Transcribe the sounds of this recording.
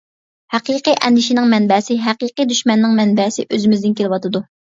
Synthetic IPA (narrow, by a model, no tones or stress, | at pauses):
hæqiqijʔɛ̰nd̪ɪʃinɪŋmɛnbɛsɪɦæqiqid̪yʃmɛnːɪŋmɛnbɛsɪʔøzɪmɪzd̪ɪnkʲʰelɪwɑt̪ʰɨd̪u